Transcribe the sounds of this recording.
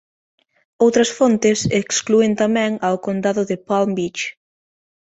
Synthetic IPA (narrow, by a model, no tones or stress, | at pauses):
owt̪ɾɐsfont̪ɪsekskluent̪amɛ̃ŋawkond̪aðʊðɪpalmbit͡ʃ